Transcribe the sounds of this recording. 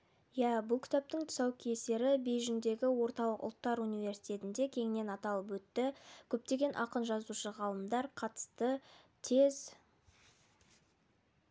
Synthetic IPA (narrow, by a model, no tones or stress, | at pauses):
jæbʊlˠkʲʰɪ̥t̪ap̚t̪əŋt̪ʰʊ̥sɑwkʲʰejse̞ɾɪbe̞jʒʏnd̪e̞ɡʲɪwo̞ɾt̪ɑlˠəqʊ̰lˠt̪ːɑɾunivʲe̞ɾsi̥jt̪ʲe̞t̪ɪnd̪e̞kʲʰe̞ŋɪne̞nɑt̪ɑlˠəp̬wɵt̪ːɪkʲʰɵp̚t̪e̞ɡʲe̞nʔɑqənʒɑzuʃəʁɑlˠəmd̪ɑɾqʰɑt̪ə̥st̪ə | t̪ʰe̞z